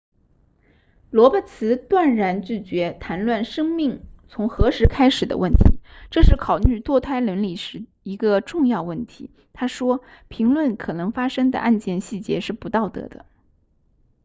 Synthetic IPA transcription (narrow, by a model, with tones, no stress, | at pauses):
lwɔ˧˥pə˥˩t͡sʰɹ̩˧˥t̪wa˥˩nɻa˧˥nt͡ɕy˥˩t͡ɕɥɛ˧˥t̪ʰa˧˥nlwa˥˩nʂɤ˥ŋmi˥˩ŋt͡sʰʊ˧˥ŋxɤ˧˥ʂɻ̩˧˥kʰa˥ɪʂɻ̩˨˩d̪ə̰˦wə˥˩nt̪ʰḭ˧˥ʈ͡ʂɤ˥˧ʂɻ̩˥˩kʰɑ˨˩ʊly˥˧t̪wɔ˥˧t̪ʰa˥˩ɪlə˧˥nli˨˩ʂɻ̩˧˥ | i˧˥ɡə˧ʈ͡ʂʊ˥˧ŋjɑ˥˧ʊwə˥˩nt̪ʰi˧˥ | t̪ʰa˥ʂwɔ˥pʰi˧˥ŋlwə˥˩nkʰɤ˨˩nɤ˧˥ŋfa˥ʂɤ˥ŋd̪ə̰˨˧ʔa˥˧nt͡ɕjɛ˥˧nɕi˥˩t͡ɕjɛ̰˧˥ʂɻ̩˥˩pu˧˥t̪ɑ˥˩ʊt̪ɤ̰˧˥d̪ə̰˧